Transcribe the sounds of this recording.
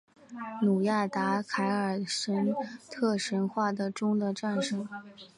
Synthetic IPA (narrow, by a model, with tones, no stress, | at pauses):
nu˨˩ja˥˩t̪a˧˥kʰa˧˥ɪə˞˨˩ʂə˧˥nt̪ʰɤ˥˩ʂə˧˥nxwa˥˩d̪ə˩ʈ͡ʂʊ˥ŋd̪ə˨ʈ͡ʂa˥˩nʂə˧˥ŋ